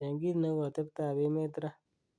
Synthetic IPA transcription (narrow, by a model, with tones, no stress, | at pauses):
a˨ŋ˦ɡi˦tna˦ɡɔ˨tə˦b̚ta˨be˦me˦tɾa˦